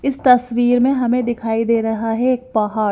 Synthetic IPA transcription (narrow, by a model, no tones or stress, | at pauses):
ɪst̪ɐsʋiːɾmẽɦɐmẽd̪ɪkʰaːid̪eːɾɐɦaɦɛeːk̚pɐɦaː